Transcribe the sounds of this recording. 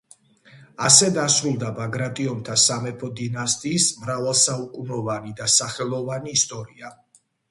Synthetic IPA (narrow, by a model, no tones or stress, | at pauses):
asɛd̪asɾulˠd̪abaɡɾat̪ʼiɔnt̪ʰasamɛpʰɔd̪inast̪ʼiːsmɾavalˠsaukʼunɔvanid̪asaχɛlˠɔvaniːst̪ʼɔɾia